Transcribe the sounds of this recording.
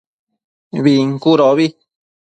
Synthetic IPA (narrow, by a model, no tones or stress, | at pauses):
βiŋkuɾoβi